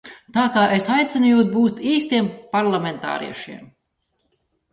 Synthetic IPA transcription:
t̪aːkaːʔesajt̪sʲɛnujuːt̪̚buːst̪iːst̪iɛmpaɾlˠamʲent̪a̰ːɾḭɛʃiɛm

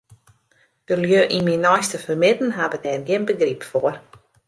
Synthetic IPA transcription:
d̥əljøːʔiminɔjstəfərmɪdn̩ɦabədɛrɡɪənbəɡripfoər

